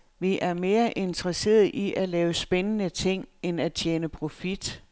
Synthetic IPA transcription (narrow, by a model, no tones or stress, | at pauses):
ʋiʔæɐme̝ːɐʔe̝nd̥ʁɐse̝̰ːɐðˠʔiʔælɛːʊəsb̥enənət͡sʰe̝ŋ̰enæt͡ɕʰjeːnəpʰʁo̝fid̥